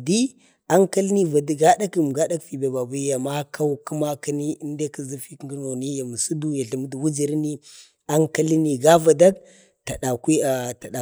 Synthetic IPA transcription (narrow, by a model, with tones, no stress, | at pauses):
di˦ | a˦ŋka˦lni˦va˨dɡa˦da˦km˨ɡa˦da˦kfi˨ba˨ba˨bu˦ja˨ma˦kʰa˦wku˦ma˦ka˦ni˦i˦n˦de˦kə˨zi˦fi˦kɡno˨ni˦ja˨mu˨su˦du˦ja˨ɬə˨mə˦dwu˦d͡ʒi˨ɾni˦ | a˦ŋka˦li˦ni˨ɡa˦va˨da˦k | ta˨ɗa˨ki˦a˨ta˨ɗa˨